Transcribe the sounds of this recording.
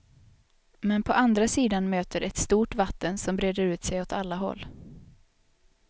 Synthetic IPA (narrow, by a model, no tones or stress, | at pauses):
mɛnpʰɔʔand̪ɾasiːd̪anmøːt̪əɾʔɛt̪st̪uːʈvat̪ːənsɔmbɾeːd̪əɾʉ̟ːt̪sɛjɔt̪alːaɦɔ̰lː